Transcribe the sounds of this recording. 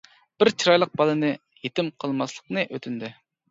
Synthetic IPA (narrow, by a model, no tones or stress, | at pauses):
b̥ɪɾt͡ʃʰiɾɑjlˠəq̚bɑlˠɨnɨ | jet̪ɪmqʰəlˠmɑslˠəqnɨʔøt̪ʰynd̪y